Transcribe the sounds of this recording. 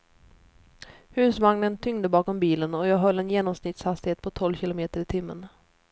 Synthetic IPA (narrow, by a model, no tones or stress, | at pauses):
hʉ̟ːsvaŋnənt̪ʰʏŋd̪əbɑːkɔmbiːlənɔjɑːɡɦœlːɛnjeːnɔmsnɪt̪shast̪ɪheːt̪̚pʰɔt̪ʰɔlvɕɪlʊmeːt̪əɾɪt̪ʰɪmːə̰n